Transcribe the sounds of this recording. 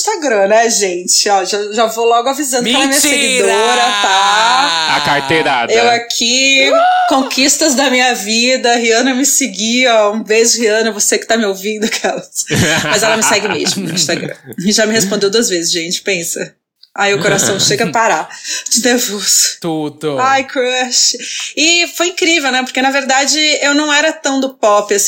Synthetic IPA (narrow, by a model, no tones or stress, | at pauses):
ʃt̪aɡɾɐ̃nɛʒẽt͡ʃɪɔʒaʒavolɔɡʊavizɐ̃nd̪ʊkɛlɐmĩɲɐsseɡid̪oɾɐt̪a | akaɾt̪eɾadewakʰi | kõkist̪ɐzd̪ɐmĩɲɐvid̪ɐɦiɐ̃nɐmɪsɪɡiɔũvezd͡ʒɪhiɐ̃nɐvosekɪ̥t̪amɪowvĩnd̪ʊkʰɛlɐsmɐzɛlɐmɪsɛɡɪmḛzmʊpʊɾʊĩst̪aɡɾɐ̰̃ɪʒamɪɦespõnd̪ewd̪uɐzvezɪzʒẽnt͡ʃɪ̥pẽsɐ̰ | aiʊkoɾasɐ̃w̃ʃeɡɐpaɾad͡ʒɪnevust̪ud̪ajkɾɐʃt͡ʃɪɪfojĩkɾivewnɛpoɾkenɐveɾd̪ad͡ʒɪewnɐ̃w̃ɛɾɐt̪ɐ̃w̃d̪ʊpɔpɪas